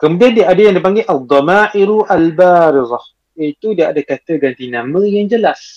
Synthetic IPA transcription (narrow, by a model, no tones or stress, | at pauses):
kəmudiandiaʔːdajaŋdipaŋɡeʔad̪ˤːɔmaʔiɾuʔalbaɾizˤɑ | jait̪udiaʔadakat̪əɡant̪inãmə̃jaŋd͡ʒəlas